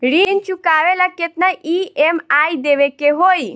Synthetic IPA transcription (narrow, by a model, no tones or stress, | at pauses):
ɽint͡ʃukaʋelaket̪naʔiemaid̪eʋekeɦoi